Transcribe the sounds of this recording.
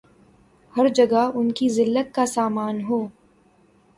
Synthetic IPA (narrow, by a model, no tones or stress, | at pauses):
hɐɾd͡ʒɐɡaɦʊnkizɪlːət̪̚kasaːmaːnɦoː